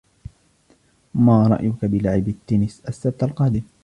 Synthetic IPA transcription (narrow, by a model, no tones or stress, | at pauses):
maːɾˤɑ̰ʔjʊkabɪlaʕɪbɪt̪ːuːnɪsʔasːab̚t̪ːalqɑːd̪ɪm